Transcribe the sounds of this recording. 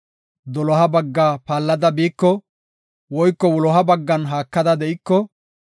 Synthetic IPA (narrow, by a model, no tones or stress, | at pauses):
d̪ɔlɔɦɐbɐɡːaːpaːlːɐd̪ɐbiːkːɔ | wɔjkːɔwɔlɔɦɐbɐɡːɐnɦaːkːɐd̪ɐd̪ɛʔɪkːɔ